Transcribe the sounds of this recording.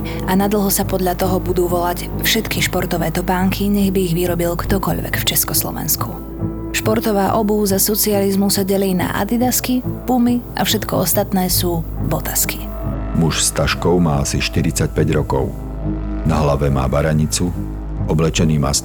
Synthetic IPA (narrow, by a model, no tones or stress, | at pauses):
anad̪l̩ˠɦɔsapɔd̪ʎat̪ɔɦɔbud̪uːʋɔlacfʃɛt̪kiʃpɔɾt̪ɔʋɛːt̪ɔpaːŋkʰiɲɛɣbiːɣʋiɾɔbilkt̪ɔkɔʎʋɛ̰kft͡ʃɛskɔslɔ̰ʋɛ̰nskʰu | ʃpɔɾt̪ɔʋaːʔɔbuːzasɔt͡sializmusaɟɛliːna̰ʔa̰d̪id̪askipumiʔa̰fʃɛt̪kɔɔst̪at̪nɛːsuːbɔt̪aski̥ | muʃst̪aʃkɔʊmaːasiʃt̪iɾit͡sac̚pɛɟɾɔkɔʊ | naɦlaʋɛma̰ːbaɾaɲit͡su | ɔblɛt͡ʃɛniːma̰ːs